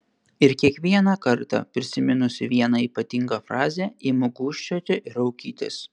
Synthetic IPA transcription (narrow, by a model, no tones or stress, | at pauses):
ɪɾkʲiɛkʋʲiɛnɑkɐɾt̪ɑ̰pʲɾʲɪsʲɪmʲɪnʊsʲɪʋʲiɛnɐiːpɐt̪ʲɪŋɡɑfɾɑːzʲɛimʊɡʊːʃʲt͡ʃʲoːt̪ʲɛʔɪɾɐʊkʲiːt̪ʲɪ̰s